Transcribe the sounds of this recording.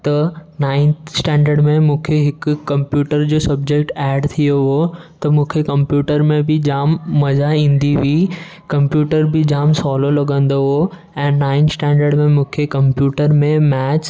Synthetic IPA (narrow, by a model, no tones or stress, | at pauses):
t̪ɐnaːɪ̃nt̪sʈɛ̃ːɳɖəɾɽmẽmũːkʰeɦɪkːɐ̃mpjuːʈəɾd͡ʑoːsɐbd͡ʑek̚ʈɛːɖt̪ʰijoɦot̪ɐmũːkʰekɐmpjuːʈəɾmẽbɪd͡ʑaːmːɐzaĩːnd̪iʋiː | kɐ̃mpjuːʈəɾbɪd͡ʑaːmsɔːlolɐɠə̃nd̪oɦo | ɛ̃ːnaːɪ̃nsʈɛ̃ːɳɖəɾɖmẽmũːkʰekɐ̃mpjuːʈəɾmẽmɛːt͡ɕ